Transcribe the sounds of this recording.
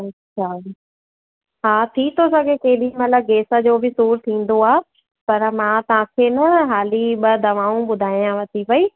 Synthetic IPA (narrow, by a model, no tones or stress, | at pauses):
ɐɕʰaː | ɦaːt̪ʰit̪ʰosɐɡʱekɐɦɪɗimɐt̪ləb̚ɡeːsə̆d͡ʑoːbʱɪsuːɾt̪ʰĩːn̆d̪oaː | pɐɾmãːt̪ɐʋ̤ãːkʰenɐɦaːliɓɐd̪ʱɐʋaːũɓʊd̪ʱaːijãʋɐt̪ʰipɐiː